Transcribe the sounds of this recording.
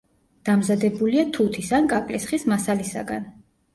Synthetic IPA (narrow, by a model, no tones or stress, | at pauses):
d̪̥amzad̪ɛbuliat̪ʰut̪ʰisankʼakʼlisχismasalisa̰ɡa̰n